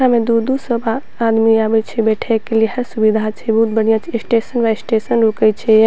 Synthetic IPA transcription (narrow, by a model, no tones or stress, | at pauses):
amẽd̪ud̪usəbaː | d̪miabɛt͡ʃʰɛbɛʈʰɛkːeliɦəɾsubid̪ʱat͡ʃʰɛbəɦut̪̚bəɽ̤ijat͡ʃʰisʈesənbaesʈesənɾokət͡ʃʰɛ